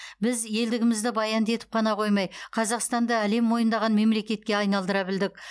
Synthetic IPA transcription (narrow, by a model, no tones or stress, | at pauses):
bɪzje̞ld̪ɪɡʲɪmɪzd̪ɪbɑjɑnd̪e̞t̪ɪ̥p̚qʰɑnɑqʰo̞jmɑjqʰɑzɑqst̪ɑnd̪ɑæle̞mːo̞jənd̪ɑʁɑnme̞mle̞kʲe̞t̪̚kʲe̞ɑjnɑlˠd̪əɾɑbɪld̪ɪk̚ʲ